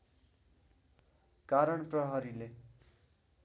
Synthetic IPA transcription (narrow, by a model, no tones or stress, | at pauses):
kaɾʌɳprʌɦʌɾile